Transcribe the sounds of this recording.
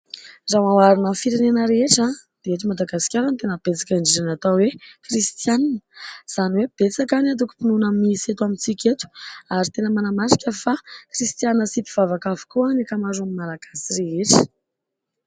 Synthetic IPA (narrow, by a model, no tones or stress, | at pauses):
zamawaɾunəfiɾenenəɾeeʈ͡ʂad̪̥eeʈ͡ʂimad̪aɡasi̥kʲaɾant̪enəb̥et͡sḁkʲaɳɖ͡ʐeɾanat̪awekrist̪jannə̥z̥aniweb̥et͡sakaniat̪̬uku̥pinunamiset̪uamint͡sikʲet̪u̥aɾit̪enəmanamaɾi̥kʲəfakrist̪janinəsip̪iv̥avakavu̥kuanakamazamimalaɡ̥asireeʈ͡ʂə̥